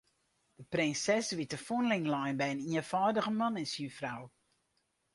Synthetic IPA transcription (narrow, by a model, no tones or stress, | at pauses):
d̥əprɪnsɛsʋitəfunlɪŋlɔjnbɛjəniəfɔːdəɣəmɑnɪsjyfraw